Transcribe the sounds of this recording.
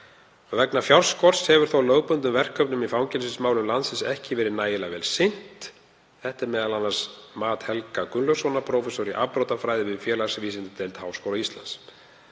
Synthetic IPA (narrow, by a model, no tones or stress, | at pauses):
avɛknafjawrskɔr̥shɛvʏɾ̥θowlœːwpʏnt̪̬ʏmvɛr̥kʰːœpnʏmifawŋcɛlsɪnsmaːwlʏmlant̪sɪnsɛhcɪvɛːɾɪnaːjɪlavɛːlsɪn̥t̪ | θɛht̪ɪɾmɛːðalanːaɾ̥smaːt̪hɛlkakʏnlœsɔnapʰɾowfɛsoɾɪʔapɾowt̪afɾaːjðɪvɪðfjɛːlasviːsɪnt̪ʏt̪ʰejlt̪haːwskowlaist̪la̰ns